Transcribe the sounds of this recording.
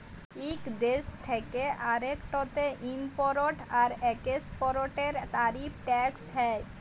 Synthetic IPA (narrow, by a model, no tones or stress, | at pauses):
ikd̪est̪ʰekeʔaɾekʈɔt̪eʔimpɔɾoʈaɾɛkespɔɾoʈeɾt̪aɾipʰʈɛksɦɛj